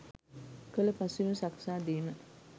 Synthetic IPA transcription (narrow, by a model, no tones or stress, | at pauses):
kələpasimusaksaːd̪iːmə